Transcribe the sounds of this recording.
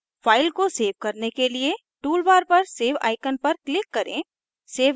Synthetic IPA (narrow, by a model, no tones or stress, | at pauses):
fʰaːɪlkoseːʋkɐɾnekelie | ʈuːlbaːɾpɐɾseːʋa̰ːɪkənpɐɾklɪkːɐɾḛ̃ | seːʋ